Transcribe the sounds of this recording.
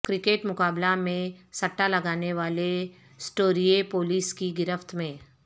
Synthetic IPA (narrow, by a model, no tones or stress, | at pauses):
kɾɪkeːʈmʊkaːblamẽsɐʈːalɐɡaːneʋaːle | sʈoːɾiepoːliːskiɡɪɾəft̪ʰmẽː